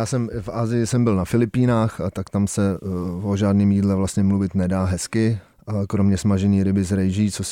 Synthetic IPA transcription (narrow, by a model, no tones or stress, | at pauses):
jaːsɛmfʔaːzɪjɪsɛmbɪlnafɪlɪpiːnaːxt̪akt̪amsɛoʒaːdniːmjiːdlɛvlast̪ɲɛmluvɪt̪nɛdaːɦɛskɪ | kɾomɲɛsmaʒɛɲiːɾɪbɪzɾɛjʒiːt͡sos